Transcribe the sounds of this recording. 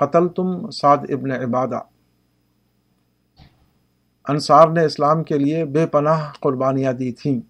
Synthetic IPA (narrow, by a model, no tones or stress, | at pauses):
qɐt̪əlt̪ʊmsaːd̪ɪbneɪbaːd̪a̰ː | ɐnsaːɾneɪslaːmkeliebeːpɐnaːɦqʊɾbaːnijãd̪iːt̪ʰĩː